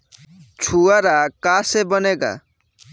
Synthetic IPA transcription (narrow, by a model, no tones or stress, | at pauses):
t͡ʃʰuaɾakasebəneɡa̰